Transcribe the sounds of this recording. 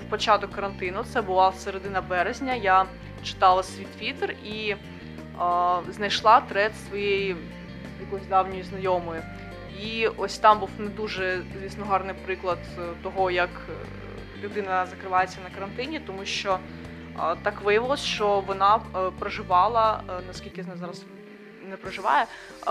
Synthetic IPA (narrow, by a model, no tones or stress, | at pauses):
wpɔt͡ʃɑt̪ɔkːɐɾɐnt̪ɪnʊt̪sɛbʊlˠɑseɾed̪ɪnɐbɛɾezʲnʲɐja | t͡ʃɪ̥t̪ɑlˠɐsʲʋʲit̪ʋʲit̪eri | znɐjʃlˠɑt̪ɾɛt̪sʋɔjej | jɐkɔzʲd̪ɑwnʲɔjiznɐjɔmɔjʊ | iɔsʲt̪ɑmbuwned̪uʒɛzʲʋʲisnɔɦɑrnɪjpɾɪklˠɐd̪t̪ɔɦɔjɐk | lʲʊd̪ɪnɐzɐkɾɪʋɑjet͡sʲːɐnɐkɐɾɐnt̪ɪnʲit̪ɔmuʃt͡ʃɔ | t̪ɑkʋɪjɐʋɪlˠɔsʲʃt͡ʃɔʋɔnɑpɾɔʒɪʋɑlˠɐnɐskʲilʲkʲɪznɛzɑɾɐz | nɛpɾɐʒɪʋɑ̰jɛ